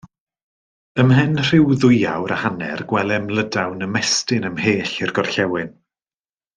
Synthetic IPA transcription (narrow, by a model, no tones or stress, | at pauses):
əmhɛnr̥ɪwðʊjawɾəhanɛ̰rɡ̥wɛlˠɛmlˠədawnəmɛstɪnəmheːɬɪrɡɔrɬɛwɪn